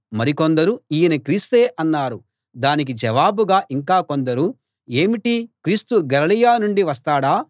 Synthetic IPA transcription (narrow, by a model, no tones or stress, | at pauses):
mɐɾikond̪ɐɾuiːjɐnɐkɾiːst̪e̞ːʔɐnːaːɾu | d̪aːnik̬id͡ʒɐʋaːbuɡaːʔiŋkaːkond̪ɐɾu | e̞ːmiʈikɾiːst̪uɡɐlɐlijaːnuɳɖiʋɐst̪aːɽaː